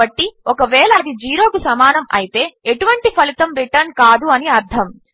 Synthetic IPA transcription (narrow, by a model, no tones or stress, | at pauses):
ɐʈːiɔkɐʋɛːlaːd̪id͡ʒiːɾoːkusɐmaːnɐmɐ̰jit̪e̞ːeʈuʋɐɳʈipʰɐlit̪ɐmɾiʈɐɾnkaːd̪uɐniɐɾd̪ʰʱɐm